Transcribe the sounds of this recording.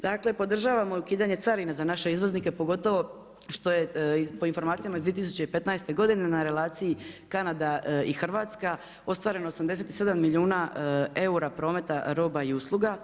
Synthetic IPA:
d̪akle̞po̞d̪r̩ʒaːʋamoukiːd̪aɲe̞t̪saɾinazanaʃe̞izʋo̞znike̞po̞ɡo̞t̪o̞ʋo̞ | ʃt̪o̞je̞ipo̞info̞ɾmaːt̪sijamaizd̪ʋieis̬u̥t͡ɕe̞ipe̞t̪najst̪e̞ɡo̞d̪ine̞naɾe̞laːt̪sijikanad̪aixr̩ʋaːt̪ska | o̞st̪ʋaːɾe̞no̞osamd̪e̞s̬e̞t̪i̥se̞d̪amːiliuːnae̞uɾapɾo̞ːme̞t̪aɾo̞ːbaiuslˠuɡa

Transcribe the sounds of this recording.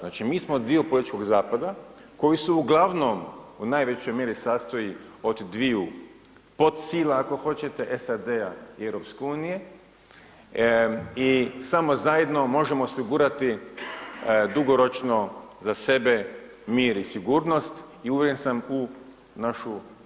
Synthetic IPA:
znaːt͡ʃimiːsmod̪iopolit̪it͡ʃkoɡzaːpad̪ako̞jisuuɡlˠaʋnomunaːjʋet͡ɕo̞jmje̞ɾisaːst̪o̞jio̞d̪d̪ʋiu | po̞t̪siːlˠaːko̞xo̞t͡ɕe̞t̪e̞ʔesad̪e̞aieʋɾo̞pskeuːnije̞ | isamo̞zaje̞d̪no̞mo̞ʒe̞moosiɡuːɾat̪i | d̪uɡo̞ɾo̞t͡ʃnozase̞be̞ | miːɾisiɡuːɾno̞st̪ | iuʋjeɾensamu | naʃu

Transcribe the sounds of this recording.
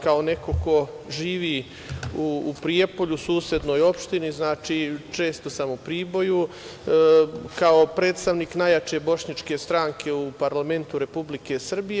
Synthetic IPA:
kao̞ne̞ko̞ko̞ | ʒiːʋi | uːpɾiepo̞ʎusuːsjed̪no̞ːjo̞pʃt̪iniznaːt͡ʃiːt͡ʃe̞ːst̪o̞samupɾiːbo̞ju | kaopɾeːt̪st̪aʋniːknajat͡ʃe̞bo̞ʃɲat͡ʃke̞st̪ɾaːŋkʰe̞upaɾlˠame̞nt̪uɾe̞publike̞sr̩bije

